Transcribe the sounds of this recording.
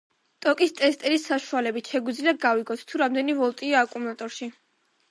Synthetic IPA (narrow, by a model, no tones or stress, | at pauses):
t̪ʼɔkʼist̪ʼɛst̪ʼɛɾisːaʃualɛbit̪ʃɛɡwid̪zliaɡaviɡɔt̪ʰt̪ʰuɾamd̪ɛnivɔlˠt̪ʼiaːkʼumlˠat̪ʼɔɾʃi